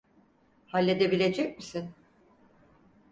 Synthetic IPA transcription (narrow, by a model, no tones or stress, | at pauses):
halʲːe̞d̪ebilʲe̞d͡ʒɛc̚misin